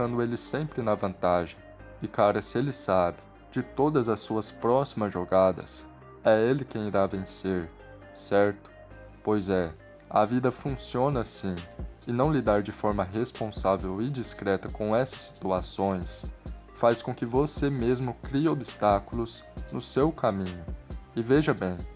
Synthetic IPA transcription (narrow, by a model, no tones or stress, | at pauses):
kɐ̃nd̪ʊelɪsẽmpɾɪnɐvɐ̃nt̪aʒẽj̃ | ɪkaɾɐsɪelɪsabɪ | d͡ʒɪt̪od̪ɐzɐsːuɐspɾɔsimɐzʒoɡad̪ɐ̰s | ɛelɪkẽj̃iɾavẽseɾ | sɛɾt̪ʊ̥ | pojzɛ | ɐ̰vid̪ɐfũsiõnɐsĩɪnɐ̃w̃lid̪aɾd͡ʒɪfɔɾmɐɦespõsavewɪd͡ʒiskɾɛt̪ɐkõɛsɐ̥sːi̥t̪uasõj̃s | faskõkɪvosemezmʊkɾiɐobist̪akʊlʊznʊsewkamĩɲʊɪveʒɐbẽj̃